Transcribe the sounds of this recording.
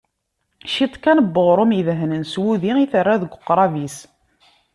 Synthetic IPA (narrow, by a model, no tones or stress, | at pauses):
ʃit̪ˤkænəbːəʁɾˤʊmiðɦnənswuðiiθərːaðəɡʷʊqːɾˤɑvis